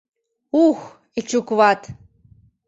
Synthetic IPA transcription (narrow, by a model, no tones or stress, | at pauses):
ux | it͡ʃʰukvat̪ʰ